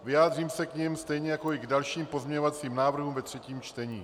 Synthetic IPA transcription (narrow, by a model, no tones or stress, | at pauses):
vɪjaːd̪r̝iːmsɛkɲɪmst̪ɛjɲɛjako̞ɪɡdalʃiːmpo̞zmɲɛɲovatt͡siːmnaːvr̩ɦuːmvɛt̪r̝̥ɛciːmt͡ʃt̪ɛɲiː